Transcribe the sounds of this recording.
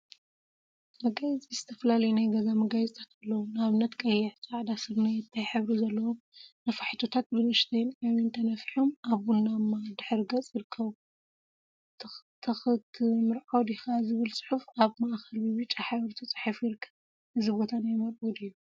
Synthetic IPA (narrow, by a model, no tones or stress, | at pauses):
mɐɡajzʼizɨt̪ʰɐ̥fɐlalɐjunajɡɐzamɐɡajzʼt̪ʼʰat̪ɐlːɐwunaβnɐt̪kʼɐjːɛʕsʼaʕd̪asɨɾnajɛt̪ʰːajħɨβɾuzɐlːɐwomnɐfaħit̪ʰo̞t̪ʰat̪̚bɨnɨʃt̪ʰɐjnʕawint̪ʰɐnɐfiħomaβːunːamːad̪ɨħɨɾɡɐt͡sʼjiɾɨkʰːɐβu | t̪ʰɐxɨt̪ʰmɨɾʕawd̪ixazɨβɨlsʼɨ̥ħufaβmaʔxɐlwiβɨt͡ʃʼːaħaβɾt̪ʰut͡sʼɨ̥ħifjɪɾɨkʰːɐβ | ɨzɨbo̞t̪ʰanajmɐɾʔud̪ijːu